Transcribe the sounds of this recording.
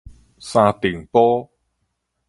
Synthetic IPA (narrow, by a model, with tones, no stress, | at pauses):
saː˧t̪iː˨˩ŋpɔː˥